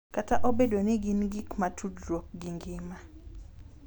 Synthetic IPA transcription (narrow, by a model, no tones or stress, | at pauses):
kataʔobedoniɡinɡikmatʰudɾok̚ɡiŋɡɪma